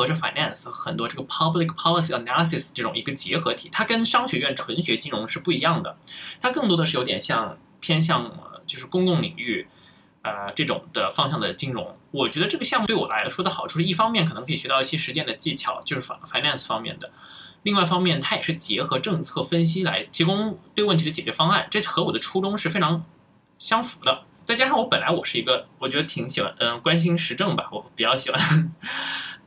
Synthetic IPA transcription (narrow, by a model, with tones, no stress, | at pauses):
xɤ˧˥ʈ͡ʂə˧fa̰˨˧ɪna˥˩nsxɤ˧˥xə˨˩nt̪wɔ˥ʈ͡ʂɤ˥˩ɡə˩pʰɑ˥bli˧˩k̚pʰɑ˥lə˧s̬i˥˩ə˨˩na˧˥lə˧˩s̬i˧˩sʈ͡ʂɤ˥˩ʈ͡ʂʊ˨˩ŋi˧˥ɡə˧t͡ɕjɛ˧˥xɤ˧˥t̪ʰi˨˩˦t̪ʰa˥kə˥nʂɑ˥ŋɕɥɛ˨˥ɥɛ˥˩nʈ͡ʂʰwə˧˥nɕɥɛ˧˥t͡ɕi˥ŋɻʊ˧˥ŋʂɻ̩˥˧pu˥˩i˧˥jɑ˥˩ŋd̪ə˩t̪ʰa˥kɤ˥˩ŋt̪wɔ˥d̪ə˧ʂ̩ɻ̩˥˩jo˧˥ʊt̪jɛ˨˩nɕjɑ˥˧ŋ | pʰjɛ˥nɕ̬jɑ˥˧ŋə̰˩t͡ɕjo˥˧ʊʂɻ̩˥˩kʊ˥ŋkʊ˥˩ŋlḭ˨˩ŋy˥˩ | ə˧ʈ͡ʂɤ˥˩ʈ͡ʂʊ̰˨˩ŋd̪̥ə˩fɑ˥ŋɕjɑ˥˩ŋd̪ə˩t͡ɕi˥ŋɻʊ̰˧˥ŋwɔ˨˩t͡ɕɥɛ˧˥d̪ə˧ʈ͡ʂɤ˥˩ɡə˩ɕjɑ˥˧mu˥t̪wwɔ˨˩la˧˥ɪlə˧ʂwɔ˥d̪ə˩xʊʈ͡ʂʰu˥˩ʂɻ̩˥˧i˥˩fɑ˥ŋmjɛ˥˩nk̪ʰɤ˧˥ŋkʰɤ˧˥i˨˩ɕɥɛ˧˥t̪i˥˩ɕjɛ˥ʂɻ̩˧˥t͡ɕjɛ˥˩nd̪ə˩t͡ɕi˥˩t͡ɕʰjɑ̰˨˧˩ʊt͡ɕjo˥˧ʊʂɻ̩˥˩˧fa˧ɪna˥˩ns̩˩fɑ˥ŋmjɛ̰˥˩nd̪ə˩ | li˥˧ŋwa˥˩ɪfɑ˥ŋmjɛ˥˩nt̪ʰa˥jɛ˨˩ʂɻ̩˥˩t͡ɕjɛ˧˥xɤ˧˥ʈ͡ʂɤ˥˧ŋt͡sʰɤ˥˩fə˥nɕ̬i˥la˧˥ɪt̪ʰi˧˥kʊ˥ŋt̪we˥˧ɪwə˥˩nt̪ʰi˧d̪ə˧t͡ɕjɛ˨˩t͡ɕɥɛ˧˥fɑ˥ŋa˥˩nʈ͡ʂɤ˥˩xɤ˧˥u˨˩d̪ə˦ʈ͡ʂʰu˥ʈ͡ʂʊ˥ŋʂɻ̩˥˩fe˥ɪʈ͡ʂʰɑ˧˥ŋ | ɕjɑ˥ŋfu˧˥d̪ə˧ | t͡sa˥˩ɪt͡ɕja˥ʂɑ˥˩ŋwɔ˧˥pə˨˩nla˧˥ɪwɔ˨˩ʂɻ̩˥˩i˧˥ɡə˧wɔ˨˩t͡ɕɥɛ˧˥d̪ə˧t̪ʰi˧˥ŋɕi˨˩wa̰˥nə˧˩kwa˥nɕ̬i˥nʂɻ̩˧˥ʈ͡ʂɤ˥˩ŋbɐ̰˩wɔ˧˦pi˨˩t͡ɕjɑ˥˩ʊɕi˨˩wa˥˧n